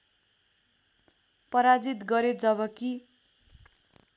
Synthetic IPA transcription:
pʌɾad͡zit̪ɡʌɾed͡zʌbʌki

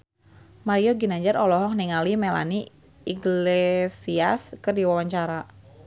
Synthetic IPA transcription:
maɾiɔɡinaɲd͡ʒaɾɔlɔɦɔk̚niŋalimɛla̰ni | iɡlesiaskɨrdiwawaɲt͡ʃaɾa

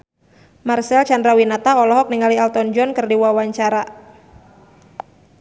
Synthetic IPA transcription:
marsɛlt͡ʃandɾawinat̪aɔlɔɦɔk̚niŋalialt̪ɔnd͡ʒɔnkɨrdiwawaɲt͡ʃaɾa

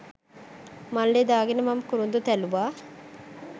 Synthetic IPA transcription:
malːed̪aːɡenemamkuɾund̪ut̪ɛluʋaː

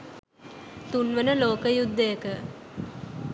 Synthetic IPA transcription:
t̪unʋənəloːkəjud̪ːəjəkə

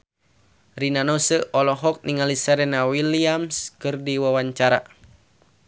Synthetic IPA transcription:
rinanɔsəʔɔlɔɦɔk̚niŋalisɛɾɛnawiliamskɨrdiwawaɲt͡ʃaɾa

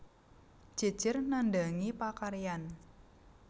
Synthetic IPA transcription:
d͡ʒ̥ə̤̥d͡ʒ̥ərnandaŋipakaɾijan

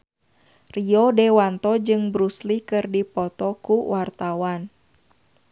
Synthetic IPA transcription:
riɔdɛwant̪ɔd͡ʒɨŋbɾuslikɨrdipɔt̪ɔkuwart̪awan

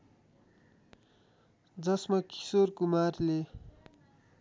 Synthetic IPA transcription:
d͡zʌsmaki̥sorkumarle

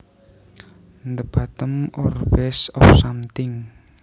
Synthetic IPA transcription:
nd̪əb̥at̪əmɔrbɛsɔfsamt̪ɪŋ

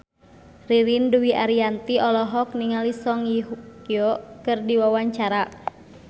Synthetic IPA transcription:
riɾinduwiʔaɾiant̪iɔlɔɦɔk̚niŋalisɔŋjiɦukijɔkɨrdiwawaɲt͡ʃaɾa

